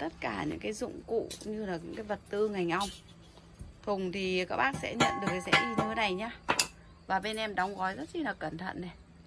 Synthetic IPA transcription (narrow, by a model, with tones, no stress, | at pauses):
t̪ə˦˥t̚kaː˧˩ɲɨ̰˧˥ŋkaː˨˦jzʊ̰˧˨ŋ͡mkṵ˧˨ɲɨ˧laː˨˩ɲɨ̰˧˥ŋkaː˨˦jvə˨˩t̚t̪ɨ˧ŋa˨˩jŋ̟ʔa˧wŋ͡m | t̪ʰʊ˨˩ŋ͡mt̪ʰi˨˩kaː˦˥k̚ɓaː˦˥k̚sɛ̰˧˥ɲə̰˧˨nɗɨ˨˩əksɛ̰˧˥ʔi˧nɨ˧˦na˨˩jɲaː˧ | vaː˨˩ɓe˧nʔɛ˧mɗɔ˨˦wŋ͡mɣɔ˨˦jzə˦˥t̚t͡ɕi˧˩nlaː˨˩kə˧˩nt̪ʰə̰˧˨nɗe˨˩j